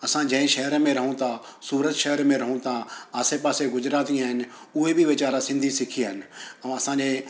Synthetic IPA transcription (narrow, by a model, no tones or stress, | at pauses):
ɐsãːd͡ʒɛ̃ːẽʃɛːɾmẽɾɐɦũt̪ãːsuːɾət̪ʃɛɦəɾmẽɾɐɦũt̪ãːaːseːpaːseɡʊd͡ʒɾaːt̪ijãːɦɪn | ʊebʱiʋɪt͡ʃaːɾasɪ̃nd̪ʱiːsɪkʰiɦənɐsãːd͡ʒe